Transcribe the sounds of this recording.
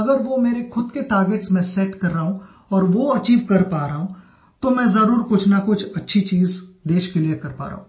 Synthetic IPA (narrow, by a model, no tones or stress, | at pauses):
ɐɡəɾʋomeːɾexʰʊd̪̚keʈaːɾɡeʈsmɛ̃sɛʈkɐɾːaɦũ | ɔːɾʋoɐt͡ʃiːʋkɐɾpaːɾaɦũ | t̪omɛ̃ːzɐɾuːɾkʊt͡ʃʰnakʊt͡ʃʰɐtːʃʰit͡ʃiːzd̪eːʃkeliekɐɾpa̰ːɾa̰ɦũː